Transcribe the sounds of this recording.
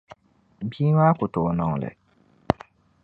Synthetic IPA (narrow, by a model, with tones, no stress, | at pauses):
biː˦ŋaː˦kʊ˨to˨nɔ˨ŋ˨lɛ̰˨